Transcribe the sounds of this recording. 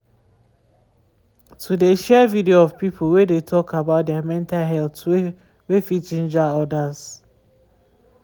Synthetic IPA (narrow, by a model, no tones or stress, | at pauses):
tʰudeʃɛvidioɔv̥pipʰolwedetʰɔkabaʊt̚dɛamɛ̃ntalɦɛltwe | wefit͡ʃĩnd͡ʒaɔdaz̥